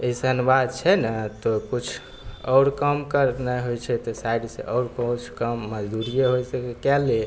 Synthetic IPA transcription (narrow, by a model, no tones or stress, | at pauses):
esənuʋad̪̚t͡ʃʰɛnət̪okut͡ʃʰ | ɔʊɾkəmkəɾnɛɦojt͡ʃʰɛt̪ɔsajɖsḛ̃ʔɔɽkot͡ʃʰkəmːəd͡ʒd̪uɾijeɦojsəkekɛlːe